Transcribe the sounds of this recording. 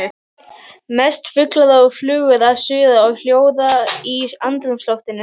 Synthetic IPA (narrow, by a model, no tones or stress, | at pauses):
mɛst̪fʏklaðaʏflʏːɣʏðasʏːðaɔɣl̥joːwðaiant̪ɾʏmslɔht̪ɪnːɪ